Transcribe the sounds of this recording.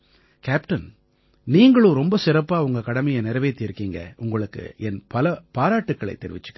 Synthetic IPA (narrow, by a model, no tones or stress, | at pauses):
kaːpʈɐn | niːŋɡɐɭõːɾɔmbɐsɪɾɐpːaːʊŋɡɐkɐɽɐmɐjɐnɪɾɐʋeːt̪ːiːɾkːiːŋɡɐ̰ʔʊŋɡɐɭɯkːɯ̰ɛnpɐlɐpaːɾaːʈːɯkːɐɭɐ̰ɪt̪ːɛɾɪ̰ʋɪt͡ʃːɯ̥kː